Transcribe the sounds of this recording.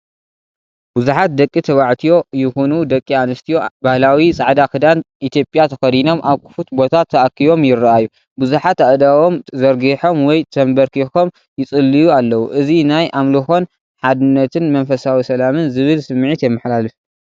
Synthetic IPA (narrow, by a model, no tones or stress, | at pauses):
b̥uzuħat̪̚d̪ɐkʼːit̪ʰɐβaʕt̪ʰijo̞jɪxonud̪ɐkʼːianɨst̪ʰijo̞bahlawit͡sʼaʕd̪akɨd̪anʔit̪ʰjopʼjat̪ʰɐxɐd̪ino̞mʔaβkʰɨ̥fut̪bo̞t̪ʰat̪ʰːɐʔakʰːiβo̞mjɪrːɐʔajːu | bɨzuħat̪aʔd̪awo̞mzɐɾɡiħo̞mwɔjt̪ʰɐmbɐɾkʰixom | jɪt͡sʼɨlːijualːɐwuʔɨzinajʔamlɨxo̞n | ħad̪ɨnːɐt̪ʰɨnmɐnfɐsawisɐlamɨnzɨβɨlsɨmːʕit̪jɛmːɨħlalɨf